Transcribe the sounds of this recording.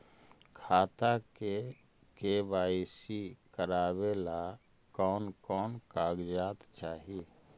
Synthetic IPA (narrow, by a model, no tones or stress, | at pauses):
kʰaːt̪ake | kebaːisikəɾaːwela | kɔːnkɔːnkaːɡd͡ʒaːt̪t͡ʃaːɦi